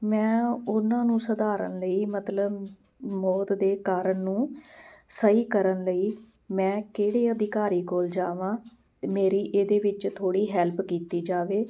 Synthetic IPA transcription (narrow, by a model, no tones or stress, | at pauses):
mɛ̃ːʊnãːnũːsəd̪aːɾə̰nləiːmət̪ləb | mɔːt̪d̪eːkaːɾəɳnũː | səɦiːkəɾənləiː | mɛ̃ːkeːɽeːəd̪ɪkaːɾiːkoːld͡ʒaːʋãː | t̪emeːɾiːʔeːd̪eːʋɪt͡ʃt̪ʰoːɽiːɦɛlpkiːt̪iːd͡ʒaːʋeː